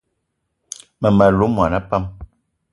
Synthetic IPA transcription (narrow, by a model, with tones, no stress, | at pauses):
mə˨ma˨lu˨˦mwa˨na˦pa˦m